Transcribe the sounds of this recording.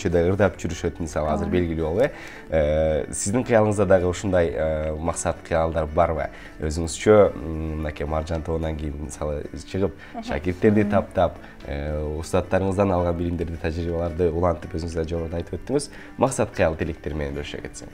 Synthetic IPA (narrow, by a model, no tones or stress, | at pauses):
t͡ʃʰød̪eɯɾd̪ɑpd͡ʒyɾyʃø̞t̪misɑlˠəɑzɨɾbe̞lɡʲɪlibo̞lˠe | əsɪzd̪ɪŋqʰɨjɑlˠəɴəzd̪ɑd̪ɑʁəuʃund̪ɑjəmɑqsɑt̪qʰijɑlˠd̪ɑɾbɑɾbə̰ | øzyŋyz̥t͡ʃʰømnɑkʲijmɑɾʒɑnt̪ʰo̞βənɑŋkejɪnmisɑlˠə̰t͡ʃʰəʁəp̚ | ʃɑ̰kʲɪɾt̪ːe̞ɾd̪it̪ʰɑp̚t̪ɑp | ə̰ust̪ɑt̪ːɑɾəɴəzd̪ɑnɑlˠʁɑnbilɪmd̪e̞ɾd̪ɪt̪ʰæʒɾibɑlˠɑɾd̪əulˠɑnt̪ɯpøzyŋyzd̪d͡ʒo̞ʁoɾd̪ɑjt̪ɯ̥pøt̪ːɪŋɪz | mʔɑqsɑt̪qʰɨjɑlˠət̪elek̚t̪e̞ɾmene̞nbølʃø̰kʰe̞t̪sḛŋ